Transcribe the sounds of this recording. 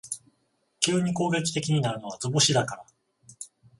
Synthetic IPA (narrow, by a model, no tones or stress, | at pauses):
kʲɯːɲ̟iko̞ːɡe̞kʲi̥t̪e̞kʲiɲ̟inaɾɯ̟no̞β̞ad͡zɨboɕid̪akaɾa